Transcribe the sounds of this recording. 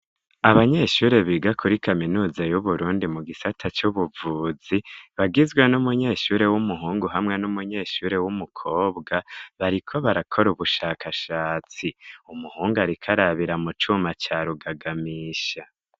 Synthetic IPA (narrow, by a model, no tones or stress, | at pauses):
aβaɲe̞ːʃuːɾe̞βiɡakʰuɾikʰaminuːzajuβuɾuːndimuɡisatʰat͡ʃuβuvuːziβaɡizɡwenumuɲe̞ːʃuːɾe̞wumuɦuːŋɡuɦamŋe̞numuɲe̞ːʃuːɾe̞wumukʰo̞ːbɡaβaɾikʰo̞βaɾakʰo̞ɾuβuʃaːkʰaʃaːt͡siumuhuːŋɡaɾikʰaɾaβiɾamut͡ʃumat͡ʃaːɾuɡaɡamiːʃa